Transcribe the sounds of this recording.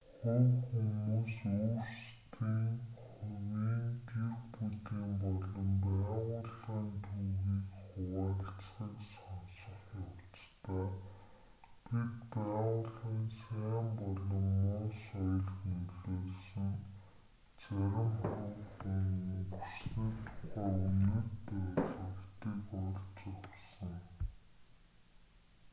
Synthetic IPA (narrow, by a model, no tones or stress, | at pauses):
χʊwxumuːsoːrst̪ʰiːŋχʊwiːnt̪exput̪iːmpɔɮɞ̆mpæːʁʊːɮaːnt̪ʰuɣiːkχʊwaːɬt͡sχiːksɔnsə̆χjawt͡st̪aː | pit̪pæːʁʊːɮʁiːnsæːmpɔɮɞ̆mːʊːsɔjɞ̆ɮxnuɮeːsɘ̆ŋ | t͡sæɾʲɪ̆mχʊxiŋusniːt̪ʰʊ̥χæːunɵ̆tpæːɮə̆wt̪iːkɔrt͡ɕɪsə̆ŋ